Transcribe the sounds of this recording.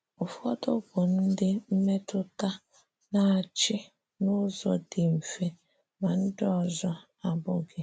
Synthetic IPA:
ʊ˨fɔ˦tʊ˦bʊ˨n̩˦dɪ˦m̩˦me˦tʊ˦ta˦ | na˦a˨t͡ʃɪ˦ | nʊ˦zɔ˨dɪ˨m̩˨fe˦ | ma˨n̩˦dɪ˦ɔ˨zɔ˦ | a˨bʊ˦ɡɪ˦

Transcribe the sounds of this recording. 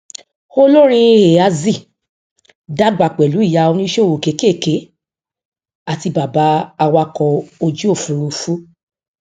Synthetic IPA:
o˦lo˦ɾ̃ĩ˧e˨a˧zi˦˨ | da˦ɡ͡ba˨k͡pɛ˨lu˨˦i˦˨ja˧o˧nĩ˦ʃe˦˨wo˨ke˨˦ke˦˨ke˨˦ | a˦˨ti˧ba˨ba˨˦a˧wa˦kɔ˧o˧d͡ʒi˦o˦˨fũ˨˦ɾu˧fu˦

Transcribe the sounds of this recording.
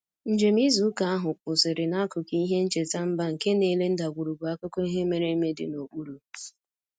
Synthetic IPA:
n̩˦˨d͡ʒe˨mi˦zu˨˦ka˨a˦ɦʊ˨k͡pʊ˨sɪ˨ɾɪ˨na˦kʊ˨kɦe˦n̩˦t͡ʃe˨ta˦m̩˦ba˦ŋ̩˨ke˦ne˦˨le˦n̩˦da˨ɡʷu˨ɾu˨ɡu˨a˦kʊ˦ko˦i˦ɦe˦me˨ɾe˦me˦dɪ̰˨no˨k͡pu˦ɾu˨

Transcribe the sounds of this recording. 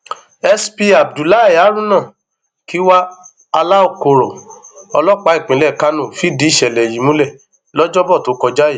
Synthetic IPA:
ɛ˧spi˧a˨b̚du˨la˨˦˨ja˨˦ɾ̃ũ˦nã˦˨ | ki˨˦wa˦ | a˧la˦o˦˨ko˧˨ɾɔ˨ɔ˧lɔ˦k͡pa˨˦i˦˨k͡pĩ˨˦lɛ˦˨ka˦nũ˦˨fi˦di˨˦˨ʃɛ˨lɛ˨ji˨˦mũ˦lɛ˦˨ | lɔ˦d͡ʒɔ˦bɔ˦˨to˨˦kɔ˧d͡ʒa˦je˨˦

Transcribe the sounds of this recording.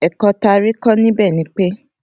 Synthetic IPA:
ɛ˨kɔ˧ta˧ɾi˦kɔ˦nĩ˦bɛː˦˨nĩ˨˦k͡pe˦

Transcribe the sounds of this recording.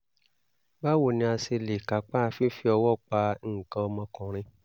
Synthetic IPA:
ba˦wo˦˨nĩ˧a˧se˧le˨ka˨˦k͡pa˦˧fi˦fi˦ɔ˧wɔ˦˨k͡pa˧˦˨kã˧ɔ˧mɔ̃˧kɔ̃˨ɾ̃ĩ˧

